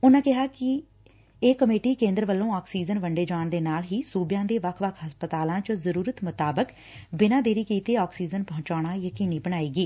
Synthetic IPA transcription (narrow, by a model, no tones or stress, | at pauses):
ʊnãːkɪɦaːkɪ | eːkəmeːʈiːkẽːnd̪ɾəʋəlːõːɔːksiːd͡ʒənʋəɳɖeːd͡ʒaːɳd̪eːnaːlɦiːsuːbjãːd̪eːʋəkʰʋəkʰɦəspət̪aːlãːt͡ʃəzəɾuːɾət̪mʊt̪aːbək | bɪnãːd̪eːɾiːkiːt̪eːɔːksiːd͡ʒənpəɦʊ̃t͡ʃaːɽ̃aːjəkiːniːbəɽ̃aːiːɡiː